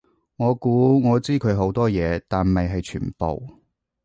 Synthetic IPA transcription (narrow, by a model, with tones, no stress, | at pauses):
ŋɔː˨˧kuː˨˥ŋɔː˨˧t͡siː˥kʰɵ˨˧ɥɦo˨˥wt̪ɔː˥jɛː˨˧t̪aː˨nmɐ˨jɦɐ˨jt͡ʃʰy̰ː˨˩npo̰˨w